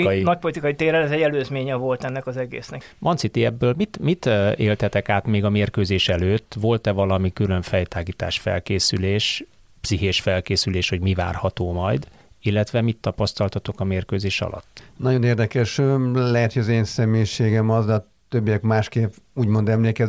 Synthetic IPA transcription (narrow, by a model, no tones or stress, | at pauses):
nɒc̚po̞lit̪ikɒjit̪eːɾɛlɛzɛɟɛløːzmeːɲɛvo̞lt̪ɛnːɛkɒzɛɡḛːsnɛmʔɒnt̪sit̪iɛbːøːlmit̪mit̪eːlt̪ɛt̪ɛkaːt̪meːɡɒmeːrkøːzeːʃɛløːt̪ːʋo̞lt̪ɛvɒlɒmikylø̞ɱfɛjt̪aːɡiːt̪a̰ːʃfɛ̰lkeːsyleːʃ | psiɦeːʃfɛlkeːsyleːʃho̞ɟmiva̰ːrhɒt̪oːmɒ̰jd̪ | ilːɛt̪ʋɛmit̪ːɒpɒst̪ɒlt̪ɒt̪o̞kɒmeːrkøːzeːʃɒ̰lʔɒ̰t̪ːnɒɟo̞neːrd̪ɛkɛʃølɛɦɛt̪hojɒzeːnsɛmeːʃeːɡɛmɒzd̪ɛɒ | t̪øbːijɛkmaːʃkeːpuːɟmo̞nd̪ɛmleːkɛ